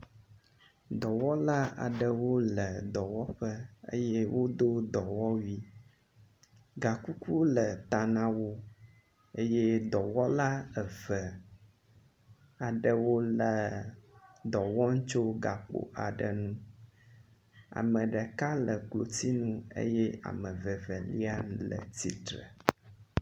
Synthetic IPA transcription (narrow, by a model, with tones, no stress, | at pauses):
d̪ɔ˨wɔ˦la˦a̰˨ɖə˨wo˦lə˨d̪ɔ˨wɔ˦ɸə˦ə̰˦jɛ˦wʔo˦d̪o˦d̪ɔ˨wɔ˦wi˦ | ɡa˨ku˦ku˦lə˨t̪a˨nã˨wo˦ | ə˦jɛ˦d̪ɔ˨wɔ˦la˦ə˨və˨ | a˨ɖə˨wo˦lə˨ | d̪ɔ˨wɔ˦ŋ̩˦t͡ʃo˦ɡa˨k͡po̰˨ʔa˨ɖə˨nũ˦ | a̰˨mə̃˨ɖə˨ka˦lə˨klo˨t̪i˦nũ˦ḛ˦jɛ˦a̰˨mə̃˨və˨və˨li˦a˦lə̰˨t̪ḭ˨t̪ɾə̰˨